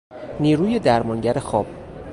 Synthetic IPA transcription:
niːɾuːje̞d̪æɾmɒŋɟæɾe̞xɒːb̥̚

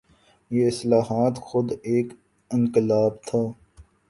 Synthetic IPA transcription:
jeɪslaːɦaːt̪xʊd̪eːk | ɪ̃ŋkɪlaːb̚t̪ʰaː

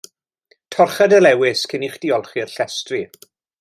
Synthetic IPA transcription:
tʰɔrχadəlɛwɪskʰɪniχd̥iɔlˠχiərɬɛstri

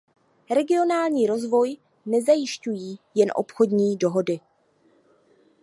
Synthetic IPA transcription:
ɾɛɡɪo̞naːlɲiːɾo̞zvo̞j | nɛzajɪʃcujiːjɛnʔo̞̰pxo̞dɲiːdo̞ɦo̞dɪ

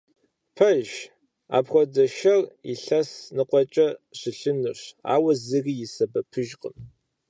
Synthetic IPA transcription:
pʰɐʒ | a̰ːpxʷɔdɐʃɐrḭɬɐsnɨqʷʼɔt͡ʃʼɐɕɪɬɨnɨɕa̰ːwɐzɨɣijɪsɐbɐpʰɨʒqʼə̰m

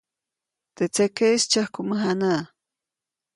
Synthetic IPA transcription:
t̪et͡sekest͡ʃahkuməɦanaʔ

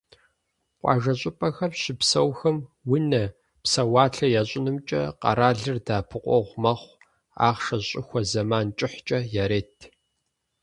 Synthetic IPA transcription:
qʷʼɑ̰ːʒɐɕʼʊpʼɐxɐmɕɪpsɐwxɐmwʊnɐ | psɐwaːɬɐjaːɕʼɪnɨmt͡ʃʼɐ̰qɐ̰ɾaːɮɨrdaːpʰɨqʷɔ̰ʁʷmɐχʷ | a̰ːʁʂɐɕʼɪxʷɐzɐmaːnt͡ʃʼɪħt͡ʃʼɐjaɾeːtʰ

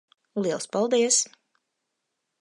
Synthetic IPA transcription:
lˠiɛlˠspalˠd̪iɛs

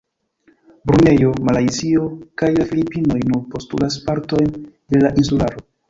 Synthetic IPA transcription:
bɾune̞jo̞malajzio̞kajlafilipino̞jnuɾpo̞stṵlas̬paɾto̞jnd̥elaʔinsulaɾo̞

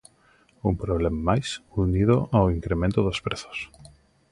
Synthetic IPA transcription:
umpɾoβlemamajsuniðʊʔawiŋkɾemẽnt̪ʊðʊspɾeθo̥s

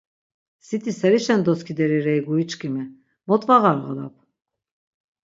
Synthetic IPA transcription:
sit̪ʰisɛɾiʃɛnd̪ɔskʰid̪ɛɾiɾɛjɡuit͡ʃʼkʼimɛ | mɔt̪ʼvaɣaɾʁəla̰p̚ʰ

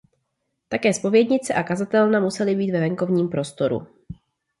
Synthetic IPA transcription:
t̪akɛːspo̞vjɛdɲɪt͡sɛʔakazat̪ɛlnamusɛlɪbiːt̪vɛvɛŋko̞vɲiːmpɾo̞st̪o̞ɾṵ

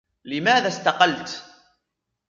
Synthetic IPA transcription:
lɪmaːðast̪ɑqɑlt̪

